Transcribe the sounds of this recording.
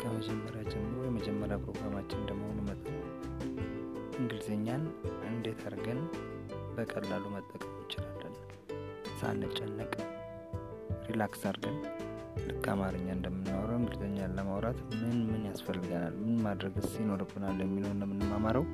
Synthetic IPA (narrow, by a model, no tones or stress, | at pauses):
kʰəməd͡ʒɛmːəɾjad͡ʒɛmːɾojɛməd͡ʒɛmːəɾjapʰɾo̞ɡɾamat͡ʃːɪnd̪əmhonimət̪ʼən | ʔɨŋɡɨlzeɲːanʔɨnd̪e̞t̪ʰəɾɡən | bəkʼəlːalumət̪ʼːəkʼəmjɪt͡ʃːɪlalːəlː | sa̰nːət͡ʃʼːɛnːəkʼ | ɾilaksəɾɡən | lɨkʰʼːa̰maɾɨɲːaɨnd̪əmːɨnːawɾəwɨŋɡɨlzeɲːanləmawɾat̪mɨnmɨnjasfəlːɨɡənalmɨnmad̪ɾəɡɨsjɪno̞ɾɨbːɨnaljɛmːilownːəmːɨnːɨmːamaɾəw